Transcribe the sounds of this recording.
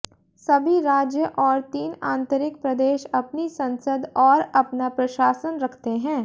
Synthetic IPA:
sɐbʱiɾaːd͡ʒjəʔɔːɾt̪iːnãːnt̪əɾɪk̚pɾɐd̪eːʃɐpnisɐ̃nsəd̪ɔːɾɐpnapɾɐʃaːsənɾɐkʰt̪eɦɛ̃ː

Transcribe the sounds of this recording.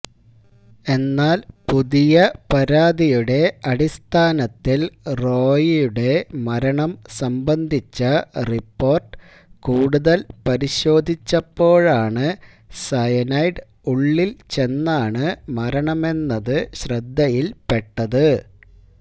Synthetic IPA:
e̞nːaːlpuðijɐpɐɾaːd̪ijuɽe̞ɐɽist̪ʰaːnɐt̪ːilro̞ːjijuɽe̞mɐɾɐɳɐmsɐmbɐnd̪ʱit͡ɕːɐripːo̞ːrʈɨ̥ | kuːɽuðɐlpɐɾiɕo̞ːd̪ʱit͡ɕːɐpːo̞ːɻaːɳɨ | sɐjɐnɐjɖ | uɭːilt͡ɕe̞nːaːɳɨmɐɾɐɳɐme̞nːɐðɨɕrɐd̪ʱːɐjilpe̞ʈːɐðɨ

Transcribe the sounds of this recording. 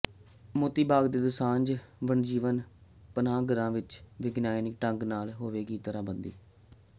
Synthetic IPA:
mʊːt̪iːbaːɡd̪eːd̪ʊsãːnd͡ʒʋəɳd͡ʒiːʋən | pənãːɡəɾãːʋɪt͡ʃʋɪɡnaːjnɪkʈəŋɡnaːlɦoːʋeːɡiːt̪əɾaːbənd̪ḭː

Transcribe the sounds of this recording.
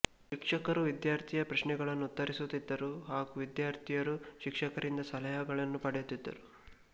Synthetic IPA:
ʃikʂɐkɐɾuʋid̪jaːɾt̪ʰijɐpɾɐʃɳɛɡɐɭɐnːuːt̪ːɐɾisut̪id̪ːɐɾuɦaːɡuʋid̪jaːɾt̪ʰijɐɾuʃikʂɐkɐɾind̪ɐsɐlɐjɐɡɐɭɐnːupɐɽɛjut̪ːid̪ːɐ̰ɾu

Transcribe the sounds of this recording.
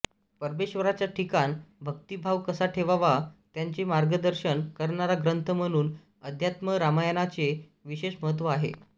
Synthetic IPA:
pəɾbeɕʋəɾat͡ɕjaʈʰikanbʱək̚t̪ibʱaʋkəsaʈʰeʋaʋat̪jaɲt͡semaɾɡəd̪əɾɕənkəɾɳaɾaɡɾənt̪ʰəm̤əɽ̃uːn | əd̪ʱjat̪məɾamajənat͡se | ʋiɕeɕməɦət̪̬ʋəaɦḛ

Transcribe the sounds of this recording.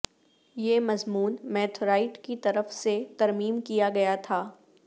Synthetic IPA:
jeːmɐzmuːnmɛːʈʰɾaːɪʈkit̪ɐɾəfset̪ɐɾmiːmkijaɡɐjat̪ʰaː

